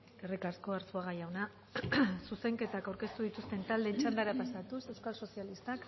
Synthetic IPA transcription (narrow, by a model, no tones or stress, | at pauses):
erikaskoaɾsuaɣ̞ajawna | suse̞ŋke̞t̪akawɾke̞st̪uðit̪ust̪e̞nt̪ald̪e̞t͡ʃand̪aɾapasat̪use̞wskalso̞sialist̪ak